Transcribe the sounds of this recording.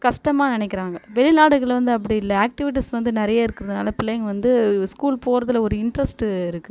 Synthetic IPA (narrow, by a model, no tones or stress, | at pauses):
kɐʂʈɐmaːnɪnɛkːɪɾaːŋɡɐʋɛɭɪnaːɽɯɣɐɭʋɐnd̪ɯɐp̬ːɐɽɪijɪlːɐaːk̚ʈɪʋɪʈ̬ːisʋɐnd̪ɯnɪɾɐjaːɪɾɯkːɪɾɐðɯnaːlɐpɪlɐjŋɡʋɐnd̪ɯskuːlpoːɾɐðɯlɔɾɯɪɳɖɾɐsʈɯɪɾɯkːɯ